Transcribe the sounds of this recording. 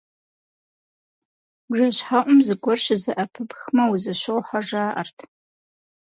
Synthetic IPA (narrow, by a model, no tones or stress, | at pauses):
ʒɐɕħaʔʷʊmzɨɡʷɔrʃzɨʔɐpʰɨpxmɐwuzɨɕowħʷaʒaːʔɐ̰rtʰ